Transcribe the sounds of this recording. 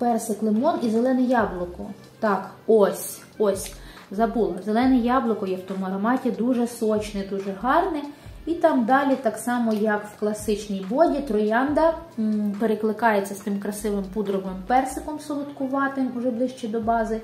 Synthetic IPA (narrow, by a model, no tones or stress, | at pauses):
pɛrsɪklˠemɔnizelˠɛnɛjɑblˠʊkɔ̰ | t̪ɑkɔsʲ | ɔsʲ | zɐbulˠɐzelˠɛnɛjɑblˠʊkɔjɛwt̪ɔmʊɐɾɐmɑtʲid̪uʒɛsɔt͡ʃnɪd̪uʒɛɦɑrnɪit̪ɑmd̪ɑlʲit̪ɑksɑmɔjɐkwklˠɐsɪt͡ʃnʲijbɔdʲit̪ɾɔjɑnd̪ɐpeɾeklˠɪkɑjet͡sʲːɐst̪ɪmkɾɐsɪʋɪmpud̪ɾɔʋɪmpɛrsɪkɔmsɔlˠʊt̪kʊʋɑt̪ɪmʊʒɛblˠɪʃt͡ʃɛd̪ɔbɑzɪ